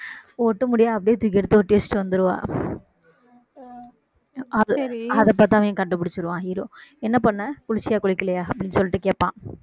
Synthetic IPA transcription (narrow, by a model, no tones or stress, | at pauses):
ɔʈːɯmʊɽɪjaːɐpːɐɽɪjeːt̪ʊkːɛɽɯt̪ːɯɔʈːɪʋɐst͡ʃːɪʈːɯʋɐnd̪ɯɾɯʋã̰ː | ɐðɐðɐp̬ːaːt̪ːãːʋẽːkɐɳɖɯpːʊɽɪt͡ʃːɯɾɯʋãːɦiːɾoːɛnːɐpɐɳːɐkʊɻɪt͡ʃːɪjaːkʊɭɪkːɪlɐjaːɐpːɐɽɪnːsɔlːɪʈːɯkeːpːãː